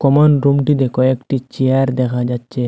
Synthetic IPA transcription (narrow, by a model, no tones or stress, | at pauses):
kɔmanɾumdidɛkɔjektit͡ʃiaɾdɛxad͡ʒat͡ʃːe